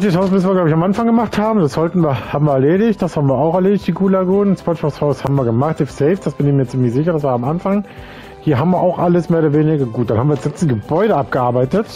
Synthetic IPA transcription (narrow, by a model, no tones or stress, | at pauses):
tishaʊsmʏsn̩viːɐɡlaʊbɪçamʔanfaŋɡəmaχthaːbm̩d̥asz̥ɔltn̩viːɐhaːbmviːɐɛɐleːɾɪçt̚d̥ashaːbm̩viːɐaʊxɛɐleːdɪçtd̥iːɡuːlaɡuːnnspɔʃɔshaʊshaːbm̩viːɐɡəmaχtɪfsɛɪfsd̥asb̥ɪnɪçmiːɐt͡siːmlɪçz̥ɪçɐɾasv̥aːɐamʔanfaŋ | hiːɐɦaːbm̩viːɐʔaʊxʔaləsmeːʊɾɐveːnɪɡɐɡuːt̚anhaːmviːdsz̥ɛsɡəbɔʏɾəʔap̚ɡ̥əʔaɐbaɪtət